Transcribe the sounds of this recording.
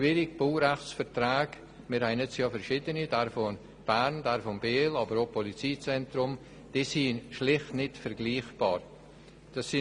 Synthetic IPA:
ʃvɪːɾɪɡb̥oːɾɛχt͡sfɛɾtɾaːɡ | mɪɾhɛɪnɛt͡sjɑːfɛɾʃiːdənidɛɾfon | b̥æɾnd̥ɛɾfonbeːlɑːbəɾopʰɔlit͡siːt͡sɛntɾʊm | d̥isiːnʃlɪχtnɪtfɛɾɡliːχb̥ɑːɾ | d̥ɑsːi

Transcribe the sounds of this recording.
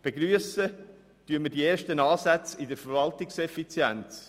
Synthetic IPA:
b̥eɡɾyəsə | tyəmədieːɾʃtənɑːsæt͡sɪdəɾfəɾvɑltɪksɛfit͡sjɛnt͡s

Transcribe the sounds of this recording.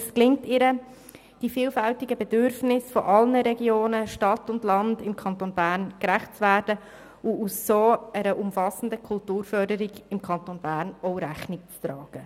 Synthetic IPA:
sklɪŋk̚tɪɾə | d̥ifiːlfæltɪɡəbɛdʏɾfnɪsfɔʔɑlnəɾɛɡjoːnəʃtɑtʊndlɑndɪmkʰɑntonbæːɾnkɾæχt̚t͡svæːɾd̥ə | ʊusːoːɛɾəʔʊmfɑsən̩dəkʰʊltuːɾfœɾdəɾiɡɪmkʰɑntonb̥æːɾnɔʊɾæχnɪk̚t͡stɾɑːɡ̥ə

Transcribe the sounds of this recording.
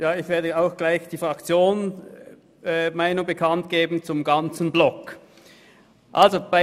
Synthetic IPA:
jaːɪçv̥eːɐdəaʊxɡ̥laɪçd̥iːfʁaɑkt͡sjoːn | maɪnʊŋbəkʰantɡ̥eːbn̩t͡sʊmɡant͡sn̩blɔk | ʔalzob̥a

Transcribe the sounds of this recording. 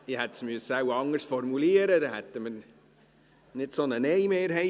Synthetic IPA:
ɪhɛt̪ːsmyəsːəawɑŋːəɾsfɔɾmuliəɾəd̪ɛhɛt̪ːəmə | nɪtsonənɛjmeːɾɦɛ

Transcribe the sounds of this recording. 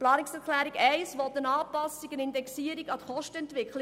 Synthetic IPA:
plɑːniksɛɾklæːɾiɡɛɪsʋɔt̪ənɑːpɑsikənɪndɛksiːəɾiɡɑt̪əχɔʃtəɛntʋɪkχl

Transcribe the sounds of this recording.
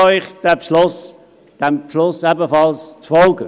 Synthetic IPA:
ɔʏχd̪̥ɛpʃlʊs | d̥ɛmpʃlʊsɛbəfɑlst͡sfɔlɡə

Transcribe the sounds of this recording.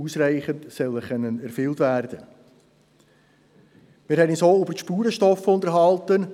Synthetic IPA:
uːsræɪχəntsœləχœnːənæɾfʏltvæɾd̥ə | mɪːɾhɛninsoːybəʃpuːɾəʃtɔfʊndəɾɦɑltən

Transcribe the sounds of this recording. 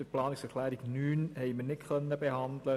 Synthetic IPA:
əplɑːnɪksfərklaːɾɪknynɦɛjmənɪkχənəbɛjɦɑndələ

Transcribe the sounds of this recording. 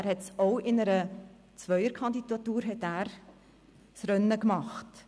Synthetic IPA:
æɾhɛtsoʊɪnəɾə | t͡svœʏəɾkʰɑndidɑtuːɾɦɛtæːɾ | sɾœnːəkmɑχt

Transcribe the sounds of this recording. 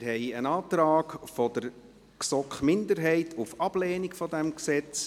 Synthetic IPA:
ɦɛɪənɑːt̪ɾaːɡfɔdəɾ | ksɔkχmɪndəɾɦɛɪtʰʊfɑb̥lɛːnikfɔdɛmksɛt͡s

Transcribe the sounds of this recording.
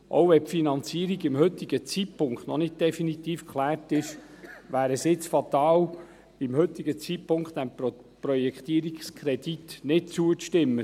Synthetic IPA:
ʔo̰ʊɛfinɑnt͡siəɾiɡɪmhɵt̪iɡət͡sipʊŋkχt̪nɔnɪt̚d̪̥ɛfinit̪iːfkʰχlæːrtɪʃ | ʋæːɾəsɪt͡sfɑt̪ɑːl | ɪmhɵt̪ːiɡət͡sipʊŋkχt̪æm | prɔjɛkχt̪iəɾikskʰɾɛd̥itnɪt̚t͡suəʃtɪmːə

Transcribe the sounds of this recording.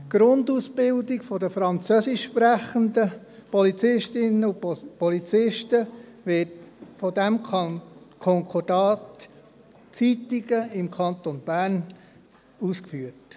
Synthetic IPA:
ɡ̥ɾʊndusbɪldɪɡfɔdəfɾɑnt͡sœsɪʃʃpɾæχəndə | pɔlit͡sɪʃtɪnəʊpɔlit͡sɪʃtəʋɪtfɔdæm | kʰɔŋkʰɔd̥ɑːt | t͡sitiɡəɪmkʰɑnt̪onb̥æɾn | uskfyːət

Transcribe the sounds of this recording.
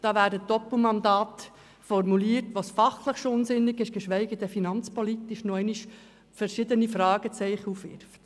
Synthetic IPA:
d̥ɑːvæːdəd̥ɔpl̩mɑnd̪ɑːt | fɔrmuliːətʋosfɑχləχʃoʊnzɪnːɪɡɪʃɡ̥əʃʋɛɪɡədəfinɑnt͡spɔlit̪ɪʃnoɛɪniʃ | fɛɾʃɪdənifɾɑːɡət͡sɛɪχəufʋɪ̰ɾft

